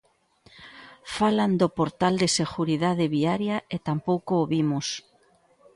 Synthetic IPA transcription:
faland̪opoɾt̪ald̪eseɣuɾiðaðeβiaɾjaet̪ampowkoːβimʊs

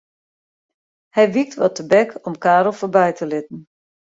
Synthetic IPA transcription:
hɛjʋik̚tʋɔtəbɛkʰɔmkaːɾɔlˠfoːɹbɛjtʰəlɪtn̩

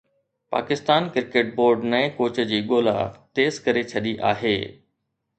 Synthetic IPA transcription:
pa̰ːkɪst̪aːnkɪɾkeːʈ̚boːɾɖnɐẽkoːt͡ɕə̆d͡ʑiːɠoːla̰t̪eːzkɐɾet͡ɕʰɐɗiʔa̰ːɦḛː

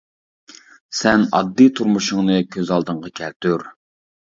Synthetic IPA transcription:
sɛnɑ̰d̪ːɨt̪ʰuɾmuʃʊŋnɨkʲʰøzɑlˠd̪əŋʁɑkʲʰɛlt̪yɾ

